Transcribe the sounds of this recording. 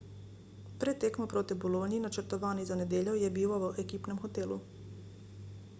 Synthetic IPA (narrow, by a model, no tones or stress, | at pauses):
pɾɛt̪ːeːkmopɾoːt̪ibɔloːniinat͡ʃəɾt̪ɔʋaːnizaned̪eːʎjojɛbiːwɔʋəʔekiːpnɛmxɔt̪eːlṵ